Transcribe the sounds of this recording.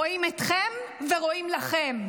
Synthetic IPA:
oimet̪χemveʁo̞imlaχem

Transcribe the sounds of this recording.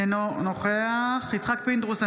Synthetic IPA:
enonoχeaχit͡sχak̚pind̪ʁuse

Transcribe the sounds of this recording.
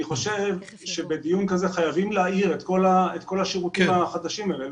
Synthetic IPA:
iχo̞ʃe̞v | ʃe̞be̞d̪ijunkaze̞χajavimleaiʁet̪ko̞laet̪ko̞laʃiʁukimhaχad̪aʃimele

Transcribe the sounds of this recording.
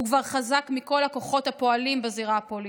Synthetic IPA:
ukvaʁχazakmiko̞lako̞χo̞thapo̞alimbeziʁapoli

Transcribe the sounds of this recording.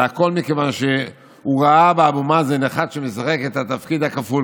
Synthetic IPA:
ako̞lmikevanʃe | uʁaabeabumazeneχad̪ʃemesaχeket̪at̪afkid̪akaful

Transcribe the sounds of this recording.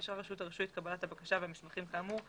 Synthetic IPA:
ʃʁaʁeʃutaʁeʃujet̪̚kabalathabakaʃaveamiʃmaχimkaːmuʁ

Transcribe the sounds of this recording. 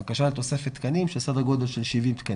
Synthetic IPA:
akaʃalet̪o̞sefet̪ːkanimʃesad̪aɡo̞d̪e̞lʃelʃivimt̪ka

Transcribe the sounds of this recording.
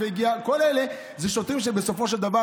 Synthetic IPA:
eɡiako̞lele̞ | zeʃot̪imʃ̬ebeso̞fo̞ʃ̬eld̪ava

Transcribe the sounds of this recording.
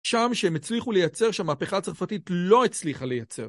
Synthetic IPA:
ʃamʃeemet͡sliχule̞jat͡se̞ʁʃeamaːpeχaːt͡saʁfatitlo̞et͡sliχale̞jat͡se̞̰ʁ

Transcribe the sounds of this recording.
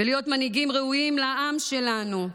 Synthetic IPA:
velijo̞t̪maniɡimʁeuimlaʔamʃe̞lanu

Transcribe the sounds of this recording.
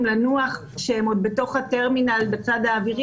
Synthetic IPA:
mlanuaχ | ʃeemod̪̚be̞to̞χhateʁminalbet͡sadaːviʁ

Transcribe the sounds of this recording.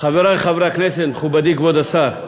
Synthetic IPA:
χaveɾaχavɾakneset̪mχubad̪ikvod̪asaɾ

